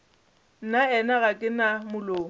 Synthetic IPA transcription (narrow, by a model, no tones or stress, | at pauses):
n̩naɛnaɣakʼɪnamʊloː